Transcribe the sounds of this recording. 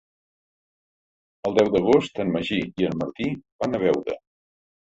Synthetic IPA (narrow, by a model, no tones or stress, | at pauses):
əlˠd̪ɛwd̪əɣ̞ost̪ənməʒiiənməɾt̪iβanəβ̞ɛwɾə̰